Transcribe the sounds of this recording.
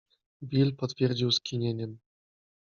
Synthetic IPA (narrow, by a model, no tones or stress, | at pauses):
bʲilʲpɔt̪fʲerʲd͡ʑiwskʲinʲenʲɘm